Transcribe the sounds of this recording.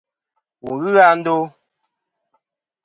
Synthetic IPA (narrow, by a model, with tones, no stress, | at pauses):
wu˨ɣɨ˦ɣa˦n̩˦do˦